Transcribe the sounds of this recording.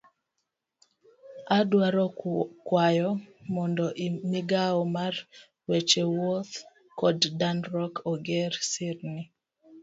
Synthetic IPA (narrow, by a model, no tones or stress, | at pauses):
adwaɾɔkwajɔmɔndɔʔimiɡaɔmar | wet͡ʃewɔot̪ | kɔddanɾɔkʰɔɡɛɾsɪɾnɪ